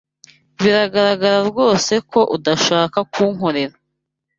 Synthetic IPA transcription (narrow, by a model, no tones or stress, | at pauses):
βiɾaɡaɾaɡaɾaɾɡo̞ːse̞ko̞ʔudaʃaːkakuːŋ̥ho̞ɾe̞ɾa